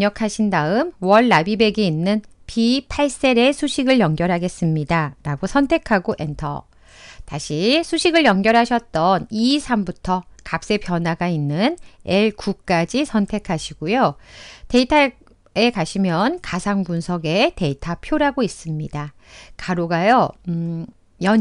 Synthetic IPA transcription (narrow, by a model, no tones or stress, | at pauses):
ɲʌkʰaɕʰindaɯmwʌɭːabibe̞ɡeinːɯnpʰipʰaɭs͈e̞ɾe̞sʰuɕʰiɡɯɭjʌŋɡjʌɾɦaɡe̞s͈ɯmɲidaɾaɡosʰʌntʰe̞kʰaɡoʔe̞ntʰʌ̰ | taɕʰisʰuɕʰiɡɯɭjʌŋɡjʌɾɦaɕʰʌt̚t͈ʌnisʰambutʰʌkap̚s͈e̞pjʌnɦwaɡainːɯneɭkuk͈ad͡ʑisʰʌntʰe̞kʰaɕʰiɡojote̞itʰa | e̞kaɕʰimjʌnkasʰaŋbunsʰʌɡe̞te̞itʰapʰjoɾaɡois͈ɯmɲida | kaɾoɡajʌ | jʌ